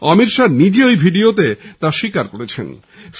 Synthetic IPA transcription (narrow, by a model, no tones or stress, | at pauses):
ɔmiɾʃaɾnid͡ʑeojbʱiɖiot̪et̪aʃikaɾkoɾet͡ɕʰḛn | s